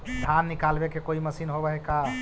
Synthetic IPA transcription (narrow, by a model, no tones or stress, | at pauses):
d̪ʱanːikalbekekoiməsinɦobəɦeka